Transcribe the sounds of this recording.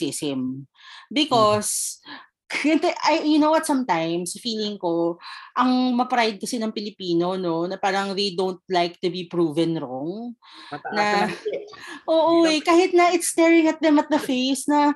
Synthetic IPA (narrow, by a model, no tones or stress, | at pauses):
ɪsɪm | bɪkɔs | ɡɐnt̪oʔɐjʊnowwɐt̪sɐ̃mt̪ajmsɐfiːlɪŋko̞ʔɐŋmɐpɾajd̪̚kɐsɪnɐŋpɪlɪpiːno̞no̞nɐpaːɾɐŋðejd̪õwnt̪̚lajk̚t̪ʊbipɹuːvɛnɹoŋ | nɐ | ʔoːʔoɛkaːhɪt̪̚nɐɪt̪st̪ɛɹɪ̃ŋɐt̪̚d̪ɛmɐt̪̚d̪ɐfejsnɐ